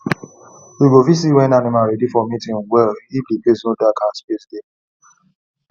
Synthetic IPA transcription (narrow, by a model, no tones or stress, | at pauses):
wiɡovis̬iwɛ̃nanɪ̃maɾedifɔmitĩnwɛliblipesnodakʰãspesde